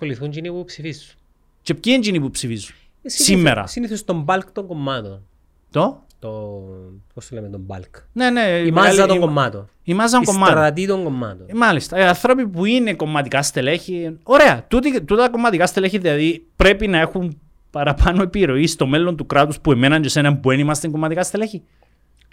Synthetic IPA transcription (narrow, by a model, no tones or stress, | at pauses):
koliθund͡ʒinipupsifizːu̥n | t͡ʃep̚cinɲd͡ʒinipupsifizːun | ssimːeɾɐ̰siniθost̪ombɐlkt̪oŋɡomːɐt̪on | t̪o | t̪o | posunlemet̪omba̰lkne̞neimazɐt̪oɡomːɐt̪o | imɐzːɐŋkomːɐt̪ɐt̪̬it̪oŋɡomːɐ̰t̪omɐlist̪ɐiɐnθɾo̞pipuineko̞mːɐt̪ikɐst̪e̞leçio̞ɾe̞ɐt̪ut̪it̪ut̪ko̞mːɐt̪ikɐst̪eleçiðilɐðipɾe̞pinɐe̞xum | pɐɾɐpʰɐnoepiɾo̞ist̪o̞me̞lːo̞nt̪ukɾat̪uspue̞menɐnɟosenɐmbuenimɐst̪eŋɡomːɐt̪ikɐst̪eleçi